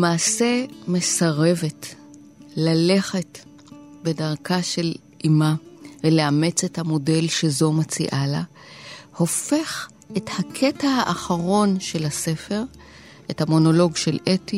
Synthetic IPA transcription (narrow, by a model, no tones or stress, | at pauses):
maːse̞me̞saʁe̞ve̞t | lale̞χe̞t | be̞daʁkʰaʃe̞l | ʔimaveleamet͡se̞thamo̞de̞lʃezo̞mat͡sḭʔala̰ | ho̞fe̞χ | ʔethakʰe̞tahaʔaχaʁo̞nʃe̞lase̞fe̞ʁ | ʔethamo̞no̞lo̞ɡʃe̞lʔeti